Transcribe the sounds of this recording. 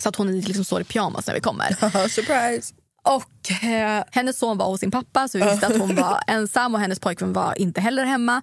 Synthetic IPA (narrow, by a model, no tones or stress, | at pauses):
sɔat̪hʊnlɪksɔmso̰ːɾɪpʰjɑːma̰snæ̰ɾvɪ̰kʰɔmːə̰ɾsəpʰɾajs | ʔɔk | hɛnːəssoːnva̰ɾhʊsːɪnpʰapːasɔvɪɪt̪əat̪hʊnvaɛnsamːɔhɛnːəspʰɔjkvœnva̰ʔɪnt̪əɦɛlːəɾɦɛmːa